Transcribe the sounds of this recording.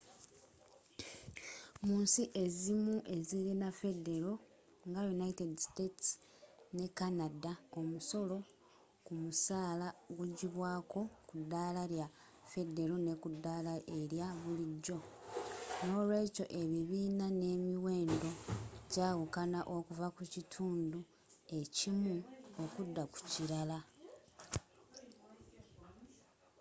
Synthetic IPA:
muːnsiʔe̞zimuʔe̞ziɾinafe̞de̞ɾo̞ | ŋɡajunaitediste̞ts | ne̞kanadao̞muso̞lo̞ | kumusaːlaɡwuɟiβwaːko̞kudːalaɾja | fe̞de̞ɾone̞kudːalaeɾjaβuliɟːo̞ | no̞ːlwe̞ːco̞ʔe̞βiβiːnane̞ːmiwe̞ːndo̞ɟaːwukanaʔo̞kuvakucitʰuːndu | e̞cimuokudːaku̥ciɾala

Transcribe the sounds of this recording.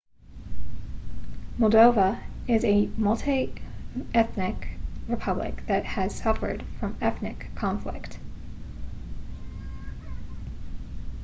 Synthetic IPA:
mɔl̩ˠdoʊvəɪzɨmʌlˠtʰi | ʔɛθnɪkɹɨpʰʌblɪ̰k̚ðɨt̚hɨz̥sʌfə̰˞d̥fɹʌ̃mɛθnɨkʰːɑ̃ɱflɪ̰kt

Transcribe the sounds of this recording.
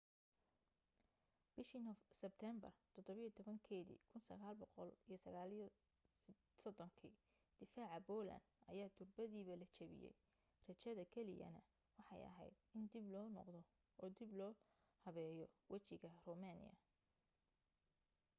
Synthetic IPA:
b̥ɪʃinɔfsɛb̚t̪ʰɛmbɐ̰rt̪ʰɔd̪ɔβɪjt̪ʰɔβɐŋkʰɛːðḭːkʰʊnsɐɣaːlbɔqɔlijɞsɐɣaːl | sɔd̪ɔŋkʰi | d̪̥ɪfaːʕɑbɔːlɐ̰nd̪ɐjaːt̪ʰʊrbɐðiːβɐlɐt͡ʃʰɐβɪ̰jɛ̰j | rɐt͡ʃɐðɐkʰɛlɪ̰jɐ̰nɐ | wɑħɑ̰jɐ̰ɦɛ̰jd̪̚ɪnd̪ɪblɔːnɔ̰qd̪ɔ | ʔɔːd̪ɪblɔː | hɐβɛːjɔwʔɐt͡ʃɪɣɐrɔmaːnɪ̰jɐ̰

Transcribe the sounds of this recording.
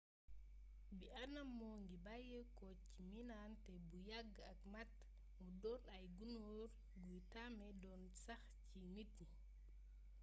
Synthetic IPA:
bianamːɔŋɡibajəkɔt͡ʃːiminantɛbujaɡ | akmat | mɔdɔlajɡunoɾ | ɡujtamɛdɔn | saxt͡ʃinitni

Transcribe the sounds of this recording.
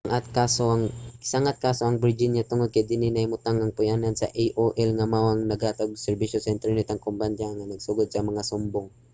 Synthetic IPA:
ŋʔat̪̚kaːsoʔɐŋsaŋʔat̪̚kaːsoʔɐŋbɪd͡ʒinjat̪ʊŋod̪̚kɐjd̪ɪnɪnɐjmʊt̪aŋɐŋpʊjaːnɐnsɐ̰ʔejʔoʔɛlŋɐmawɐŋnɐɡaːt̪aɡ̚sɛɾbiʃosɛnt̪ɾɛnɪt̪ɐŋkomband͡ʒaŋɐnɐɡsʊɡod̪̚sɐmɐŋasʊmboŋ

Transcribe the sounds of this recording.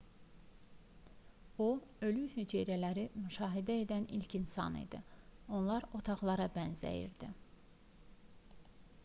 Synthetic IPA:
oø̞lyhyd͡ʒeɾælæɾimyʃɑːɦid̪æe̞d̪ænilcʰinsɑ̰nḭd̪ḭo̞nlˠɑɾo̞t̪ʰɑʁlˠɑɾɑbænzæ̰jḭɾd̪i

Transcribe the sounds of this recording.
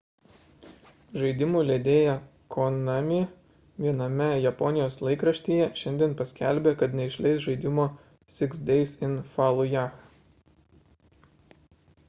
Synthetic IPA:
ʒɐɪd̪ʲɪmuːˑlʲed̪ʲeːjɛ | kʰɔnɑmʲi | ʋʲiɛnɐmʲɛjɛpɔnʲɪjoːslˠɐɪkɾɐʃʲt̪ʲiːjɛʃʲɛnʲd̪ʲiɛnpɐsʲkʲæˑlʲbʲeːkɐt̪nʲɛɪʃʲlʲɛɪsʒɐɪd̪ʲɪmoː | sʲɪksd̪ʲɛɪsɪnfɑːlˠujæːx

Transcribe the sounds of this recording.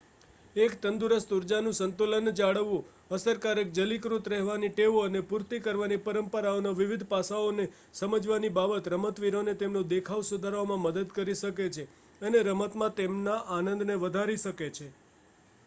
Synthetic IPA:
ekt̪ənd̪uɾəst̪uɾd͡ʒanũsənt̪ulənd͡ʒaɽəʋːũ | əsəɾkaɾek̚d͡ʒəlikɾut̪ɾɛɦʋaniʈeʋoənepuɾt̪ikəɾʋanipəɾəmpəɾaonaʋɪʋid̪ʱpasaone | səməd͡ʒʋanibabət̪ɾəmət̪ʋiɾonet̪emnõd̪ekʰaʋsud̪ʱaɾomãməd̪əd̪kəɾiʃəket͡ʃʰe | əneɾəmət̪mãt̪emnaʔanə̃nd̪neʋəd̪ʱaɾiʃəket͡ʃʰe

